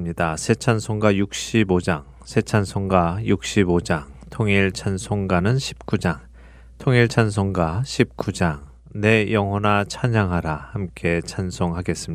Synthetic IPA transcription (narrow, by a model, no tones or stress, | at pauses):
mɲidasʰe̞t͡ɕʰansʰoŋɡwajuk̚ɕ͈ibod͡ʑaŋ | sʰe̞t͡ɕʰansʰoŋɡwajuk̚ɕ͈ibod͡ʑaŋtʰoŋiɭt͡ɕʰansʰoŋɡanɯnɕʰi̥p̚k͈ud͡ʑaŋ | tʰoŋiɭt͡ɕʰans̬ʰoŋɡwaɕʰip̚k͈ud͡ʑaŋ | ne̞jʌŋɦwʌnat͡ɕʰaɲaŋɦaɾahamk͈e̞t͡ɕʰansʰoŋɦaɡe̞s͈ɯmɲi